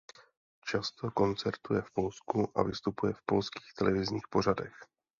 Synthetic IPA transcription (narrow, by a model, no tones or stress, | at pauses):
t͡ʃast̪o̞ko̞nt͡sɛɾt̪ujɛfpo̞lskuʔa̰vɪst̪upujɛfpo̞lski̥ːxt̪ɛlɛvɪzɲiːxpo̞r̝adɛx